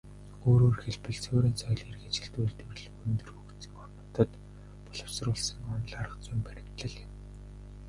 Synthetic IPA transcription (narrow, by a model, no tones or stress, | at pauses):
oːɾoːrxeɮpɘ̆ɮt͡sʰʊːɾiːnsʰɔjɮerɣet͡ɕɪ̆ɬt̪uːɮt̪ewɘ̆ɮxunt̪ɵ̆rxukt̪t͡sĭ̥ːŋɔrnɞ̆t̪ə̆t̪ | pɔɮə̆wsrʊːɮsə̆ŋɔnɮaɾə̆qt͡sʊjmpæɾʲɪ̆kt̪ɮə̆ɮɪ̆w